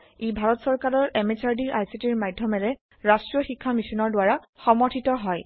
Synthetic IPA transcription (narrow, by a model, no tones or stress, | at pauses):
ejbʱaɹɔtsɔɹkaɹɔɹɛmet͡ʃaɹdiʔajsitiɹmajdʱjɔmɛɹɛ | ɹasʈɹiɔxikʰːamisɔnɔɹdwaɹa | xɔmɔɹtʰitɔɦɔj